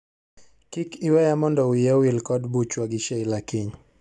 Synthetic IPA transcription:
kikiwɛjamɔndɔwijɛwilkɔdbut͡ʃwaɡiʃɛilakiɲ

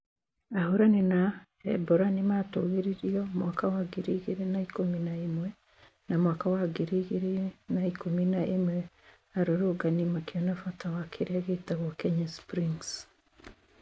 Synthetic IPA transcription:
ahuɾanina | ḛboɾanimatoɣiɾiɾiomwaːkawaɡiɾiɣiɾenaikuminaimwe | namwaːkawaɡiɾiɣiɾenaikuminaʔimwɛ | aɾoɾuɡanimakionafatawakʰiɾiaɣitaɣokɛɲaspɾiŋs

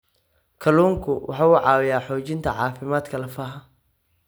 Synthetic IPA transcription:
kʰɐluːŋkʰʊwʔɑ̰ħɑːuːʕɑːwɪjaːħɔːt͡ʃɪnt̪ʰɐʕɑːfɪmaːd̪kʰɐlɐfaːɦɐ

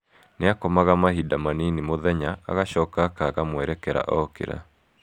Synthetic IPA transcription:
neakɔmaɣamahidamaninimoðɛɲaa̰ɣaɕɔːkakaɣamwɛɾɛkɛɾa̰ʔɔkḛɾa̰

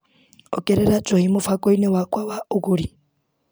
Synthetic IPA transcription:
ɔ̰kʼɛɾɛɾat͡ʃʼɔhimʊfakʼɔinɛwakʼwawaukuɺi

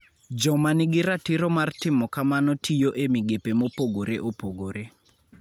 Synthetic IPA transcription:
d͡ʒɔmanɪɡɪɾatiɾɔmartɪmɔkamanɔtʰijoʔemiɡepemopoɡoɾeʔopoɡoɾe

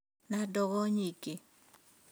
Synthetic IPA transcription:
nadɔɡɔɲiɡe

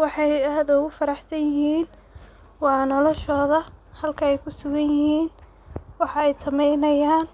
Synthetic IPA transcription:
wɑħɑjaːd̪ʊɣʊfɐɾɑħsɐnjɪhiːn | wɑːnɔlɔʃɔːðɐhɐlkʰɐɛjkʰʊsʊɣɐnjɪhiːn | wɑħɑɛjsɐmɛjnɐjaːn

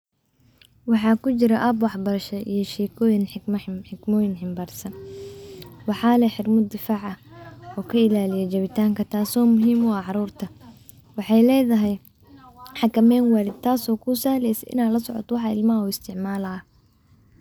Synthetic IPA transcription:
wɑħɑːkʰʊt͡ʃɪɾɐʔɐbwɑħbɐɾɐʃɐʔḭjɞʃɛːkʰɔːjɪnħɪmħɪɡmɔːjɪnħɪmbaːrsɐn | wɑħɑːlɛħɪɾmʊd̪ɪfaːʕɐɔːkʰɐɪlaːlɪjɛt͡ʃɐβɪt̪ʰaːŋkʰɐt̪ʰaːsɔːmʊɦiːmɔʕɑɾuːrt̪ʰɐ | wɑħɑjlɛːðɐɦɛj | ħɑkʰɐmɛːnwaːlɪd̪̚t̪ʰaːsɔːkʰʊsaːhlɛjsɛʔɪ̰naːlɐsɔʕɔ̰t̪wɑħɑɪlmɐɦɐuːɪst̪ʰɪʕmaːlɐː

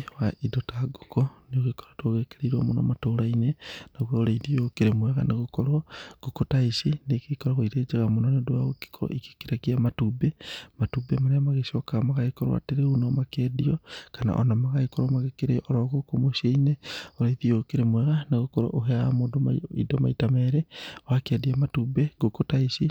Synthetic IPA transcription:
waidotaɡukoneoɣekɔ̥ɾatwoɣeːkeɾeiɾwamonɔ̰matoːɾainenaɣwaoɾaiðiokeɾemwɛɣa̰neɣokɔɾɔɡ̥ukotaiʃinekekɔɾaɣoiɾeːd͡ʒeɣamonɔnedoaɣoki̥kʰɔɾɔ̰ʔike̥kiɾaɣiamatubematubemaɾeamaɣeʃɔkaɣamaɣaikɔɾw̰a̰teɾeunɔmakɛdiɔkana̰ʔɔ̰namaɣaikɔɾɔmaɣekeɾeʔɔɾɔɣokomoʃeineoɾaiðiokeɾemwɛɣaneɣokɔɾɔ̰ʔoɦɛaamoːdomaḭdɔma̰itamɛɾewakeadiamatubeɡokotaiʃi

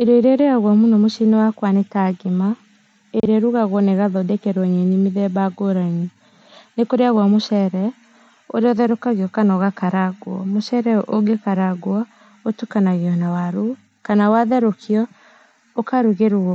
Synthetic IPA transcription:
eɾɔeɾeɾeaɣwamunɔmoʃinɛwakwanetaɡema | eɾeɛɾuɣaɣwɔneɣaðɔdɛkɛɾwɔɲenimiðɛbaɡoɾaɲi | nekoɾeaɣwamoʃɛɾɛ | o̰ɾeɔðɛɾokaɣeɔkanaɣakaɾaɡwɔ̰moʃɛɾɛʔoɡekaɾaɡwɔ | otukanaɣeɔnawaɾu | kanawaðɛɾokʰiɔ | okaɾuɣeɾu

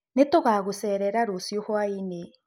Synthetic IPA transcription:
netoɣaːɣosɛːɾɛɾaɾosjohwaine

